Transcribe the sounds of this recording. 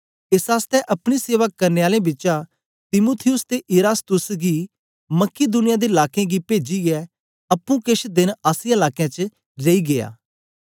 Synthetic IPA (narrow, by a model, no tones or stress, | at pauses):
ɪsaːst̪ɛʔɐpɽ̃iseːʋakːɐɾneːaːlẽbɪt͡ʃa | t̪ɪmuːt̪ʰɪjʊst̪eʔɪɾaːst̪ʊsɡi | mɐkid̪ʊnɪjad̪eɪlaːkẽɡipeːd͡ʒiɡɛ | ɐpːũkɪʃd̪ɪnaːsɪãɪlaːkejãt͡ʃə | ɾɐiɡeːa̰ː